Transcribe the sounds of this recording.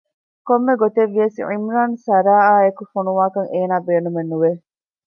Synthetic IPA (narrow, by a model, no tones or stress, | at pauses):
komːeɡot̪eʋːiɐsiʕḭmɾaːnsɐɾaːaːekufonuʋaːkɐŋeːnaːbeːnumenːuʋe